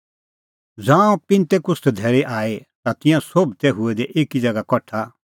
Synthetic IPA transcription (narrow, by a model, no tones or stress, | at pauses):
d͡zãːõpɪ̃nt̪ɛkʊst̪d̪ʱɛːɾɛʔaːet̪at̪ɪ̃jãsobt̪ɛɦʊɛd̪ɛʔeːkid͡zɐɡakɔʈʰa